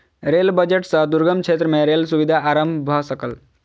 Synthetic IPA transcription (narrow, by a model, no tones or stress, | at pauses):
ɾelbəd͡ʒeʈsəd̪uɾɡəmt͡ʃʰet̪ɾəmeɾelsuʋid̪ʱaːɾəmbʱbʱəsəkəl